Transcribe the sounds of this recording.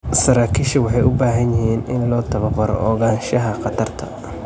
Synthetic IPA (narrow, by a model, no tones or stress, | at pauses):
sɐɾaːkʰiːʃɐwɑħɑjʔʊbaːɦɐnjɪɦiːnɪnlɔːt̪ʰɐβɐqɐɾɔ̰ʔɔːɣaːnʃɐɦɐqɑt̪ʰɐrt̪ʰɐ̰